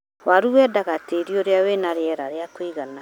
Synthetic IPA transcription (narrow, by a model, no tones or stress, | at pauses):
waɾuwɛdaɣateɾioɾeawenaɾeɛɾaɾeakwiɣana